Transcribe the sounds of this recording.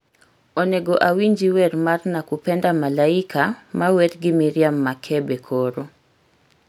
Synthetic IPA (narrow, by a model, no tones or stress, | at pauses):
oneɡoʔawiɲd͡ʒiwɛɾmarnakupɛndamalaɪkamawɛt̪ɡɪmiɾjamːakʰɛbekʰoɾo